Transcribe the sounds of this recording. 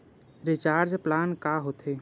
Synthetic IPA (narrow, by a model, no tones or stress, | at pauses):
ɾɪt͡ʃaːɾd͡ʒplaːnkaɦot̪ʰeː